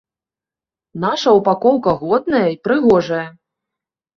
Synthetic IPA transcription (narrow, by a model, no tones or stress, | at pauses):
naʂɐwpakɔwkɐɣɔd̪̚nɐjɐipɾɨɣɔʐɐjɐ